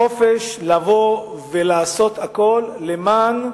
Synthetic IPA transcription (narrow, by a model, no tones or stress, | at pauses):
ofeʃlavo̞ | velaːso̞t̪ako̞lːeman